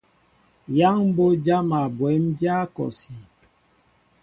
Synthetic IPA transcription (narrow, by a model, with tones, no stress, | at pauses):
ja˦ŋm̩˦bo˦d͡ʒa˦ma˨bwɛ˨˦md͡ʒja˦kɔ̰˨si˨